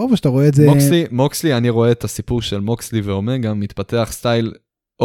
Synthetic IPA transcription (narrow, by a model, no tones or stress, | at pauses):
oveʃataʁoeːzeokslimokslianiʁo̞e̞ːt̪asipuʁʃelmoksliveo̞meʁɡamːit̪pate̞aχst̪ajl | o